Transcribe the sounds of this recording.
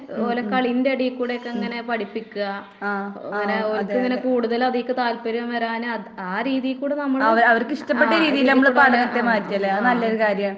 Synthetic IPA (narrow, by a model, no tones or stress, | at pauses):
olɐkːaːɭindeɐɽijkːuːɽejokːeeŋːɐne̞pɐɽipːikʲːuɣɐ | ŋːɐneoɾɐt̪ɨeŋːɐne̞kuːɽuðɐlɐðijkːɨt̪aːlpɐɾɐmʋɐɾaːnɨɐaːɾiːðijilkːuːɽenɐmːɐɭɐʋɐɾɐʋɐrkɨiʂʈɐpːeʈːɐɾiːðijilnɐmːɐɭpɐɽɐnɐt̪ːemaːɾitʲːɐlːeɐðɨnɐlːɐoɾɨkaːɾjɐmaɳ